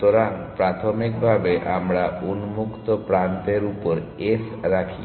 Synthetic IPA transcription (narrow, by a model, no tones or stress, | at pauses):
t̪ɔɾaŋpɾat̪ʰɔmikbʱabeʔamɾaunmukt̪ɔpɾant̪eɾupɔɾes | ɾakʰi